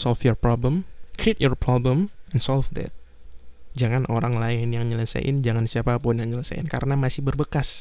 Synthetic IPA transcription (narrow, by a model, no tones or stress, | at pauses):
sɔlfjɔrpɾɔbləmkɾiit̪̚jɔrpɾɔbləmɛnsɔlfd̪ɛ̰t̪̚ | d͡ʒaŋanʔoɾaŋlaɪnjaŋɲələsa̰jʔɪ̰nd͡ʒaŋansiapapʊnjaŋɲələsa̰jɪ̰nka̰ɾənamasɪhbərbəkas